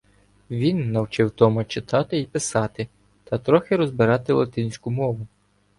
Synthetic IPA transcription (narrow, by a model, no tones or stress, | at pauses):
ʋʲinːɐwt͡ʃɪwt̪ɔmɐt͡ʃɪt̪ɑt̪ɪipɪsɑt̪ɪ | t̪ɐt̪ɾɔxɪɾɔzbɪɾɑt̪ɪlˠɐt̪ɪnʲsʲkʊmɔʋʊ